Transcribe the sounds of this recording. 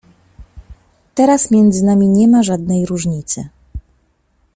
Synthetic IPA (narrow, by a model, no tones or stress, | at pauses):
t̪ɛɾasmʲjɛnd̪zɘnamʲiɲɛmaʐad̪nɛjɾuʐɲit̪sɘ̰